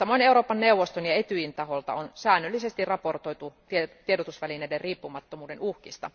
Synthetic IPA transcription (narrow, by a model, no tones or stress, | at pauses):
sɑmːˑoineuɾoːpɑnneuʋːost̪onjɑet̪yjint̪ɑholt̪ɑ̰onsæːnːølːisest̪irrɑport̪oit̪ut̪t̪iedot̪usʋælineiderriːpːumɑt̪ːomuːdenuhkist̪ɑ̰